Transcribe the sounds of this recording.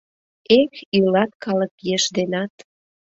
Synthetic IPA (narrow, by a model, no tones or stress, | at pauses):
ekylɑt̪kɑlə̆kjeʃd̪enɑt̪